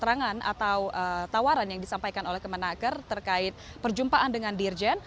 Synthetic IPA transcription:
t̪əɾaŋana̰t̪awʔət̪awaɾanjaŋdisampajkanolɛhkəmənakərt̪ərkaɪt̪̚ | pərd͡ʒumpaʔandəŋandird͡ʒɛn

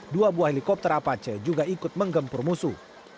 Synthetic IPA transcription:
duabuahelikɔp̚t̪ɛɾapat͡ʃəd͡ʒuɡaikʊt̪̚məŋɡəmpʊrmusu

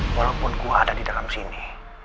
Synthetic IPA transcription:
walawpʊnkuaːdadidakamsini

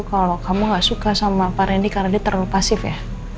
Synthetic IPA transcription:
ukalokamuŋɡaʔsukasamapaɾɛndikarnadiat̪ərlupasɪfja̰h

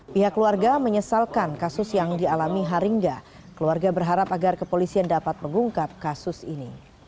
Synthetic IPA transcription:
piɦakːəluarɡaməɲəsalkankasʊsjaŋdialamiɦaɾiŋɡa | kəluarɡabərɦaɾapaɡarkəpolisiandapat̪̚məŋɡuŋkap̚kasʊsini

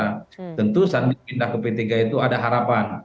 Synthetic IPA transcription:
t̪ənt̪usandiŋpindahkəpət̪iɡait̪uadaɦaɾapan

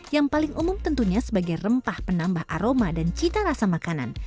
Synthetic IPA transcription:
jaŋpalɪŋumʊmt̪ənt̪uɲasəbaɡajrəmpahpənambahʔa̰ɾomadant͡ʃit̪aɾasamakana̰n

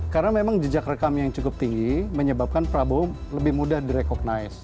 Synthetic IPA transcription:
kaɾənamemaŋd͡ʒəd͡ʒakrəkamjaŋt͡ʃukʊp̚t̪iŋɡiməɲəbap̚kanpəɾaboləbɪhmudahdiɾekɔɡ̚naɪs

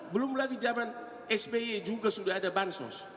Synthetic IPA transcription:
bulumulaɡid͡ʒaban | ɛsbeed͡ʒuɡəsudadabansɔ̰s

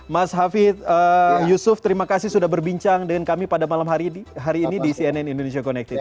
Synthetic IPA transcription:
masɦafɪt̪̚əjusʊft̪əɾimakasɪhsudahbərbiɲt͡ʃaŋdəŋankamipadamalamɦaɾiɦaɾiːnidisiɛnɛnindonesiakonɛk̚t̪ɪt̪

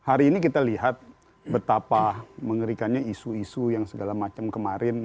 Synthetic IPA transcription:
haɾiːnikit̪aliɦat̪̚ | bət̪apaməŋəɾikanɲaisuisujaŋsəɡalamat͡ʃamkəmaɾɪn

